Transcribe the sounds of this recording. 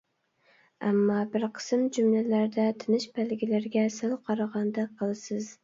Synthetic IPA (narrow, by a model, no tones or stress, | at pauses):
æ̰mːɑbɪɾqʰə̥sɨmd͡ʒumlælæɾd̪ɛt̪ʰɪnɪʃbælɡʲilæɾɡʲɛsɪlˠqʰɑɾɑʁɑnd̪ɛqʰːəlˠɨsɪz̥